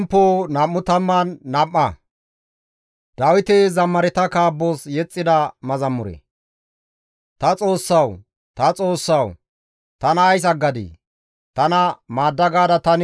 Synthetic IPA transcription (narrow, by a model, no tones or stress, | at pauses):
mpːoːnɐmːʊt̪ɐmːɐnːɐmːɐ | d̪̥ɐwɪt̪ezɐmːɐɾɛt̪ɐkaːbːoːsjɛt͡sʼːɪd̪ɐmɐzɐmːʊɾɛ̰ | t̪ɐt͡sʼo̞ːsːɐw | t̪ɐt͡sʼo̞ːsːɐw | t̪ɐnɐːjs̬ɐɡːɐd̪ḭ | t̪ɐnɐmaːd̪ːɐɡaːd̪ɐt̪ɐn